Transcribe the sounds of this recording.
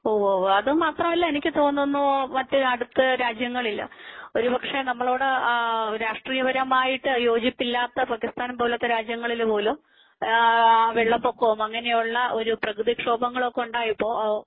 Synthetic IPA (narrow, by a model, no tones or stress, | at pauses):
oːʋoːʋoɐðɨmaːt̪rɐmɐlːɐenikʲːɨt̪o̞ːnːunːumɐtːɨɐɽut̪ːɐɾaːd͡ʑjɐŋːɐɭilːɐ̰o̞ɾupɐkʂe̞nɐmːɐɭo̞ːɽeɾaːʂʈriːjɐʋɐɾɐmaːjiʈːɨjo̞ːd͡ʑipːilːaːt̪ːɐpakːist̪aːnpoːlot̪ːɐɾaːd͡ʑjɐŋːɐɭilpo̞ːlum | ʋeɭːɐpːokːɐʋɐmɐŋːɐnejuɭːɐʔo̞ɾuprɐkɾɨðikʂo̞ːbɐŋːɐɭo̞kːeuɳɖaːjipːo̞ː